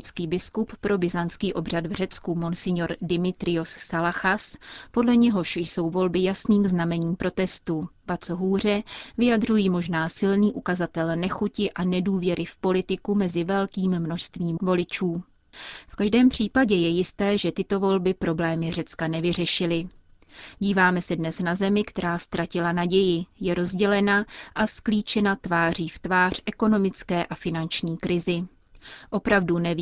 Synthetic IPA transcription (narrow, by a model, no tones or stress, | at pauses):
t͡skiːbɪskuppɾʔo̞bɪzanskiːʔo̞br̝ad̪vr̝ɛt͡skumonsɪɲoɾdɪmɪt̪ɾɪosːalaxaspo̞dlɛɲɛɦo̞ʃjso̞wvo̞lbɪjasniːmznamɛɲiːmpɾo̞t̪ɛst̪uvat͡soɦuːr̝ɛvɪjadr̝ujiːmo̞ʒnaːsɪlniːʔukazat̪ɛlnɛxucɪʔanɛduːvjɛɾʔɪfpo̞lɪt̪ɪkumɛzɪvɛlkiːmːnoʃst̪viːmvo̞lɪt͡ʃuː | fkaʒdɛːmpr̝̥iːpaɟɛjɛjɪst̪ɛːʒɛt̪ɪt̪o̞vo̞lbɪpɾo̞blɛːmɪr̝ɛt͡skanɛvɪr̝ɛʃɪlɪ | ɟiːvaːmɛsɛdnɛsnazɛmɪkt̪ɛɾaːst̪ɾʔacɪlanaɟɛjɪjɛɾo̞zɟɛlɛnaʔaskliːt͡ʃɛnat̪vaːr̝iːft̪vaːr̝̥ʔɛko̞no̞mɪt͡skɛːʔafɪnant͡ʃɲiːkɾɪzɪ | ʔo̞pɾavdunɛ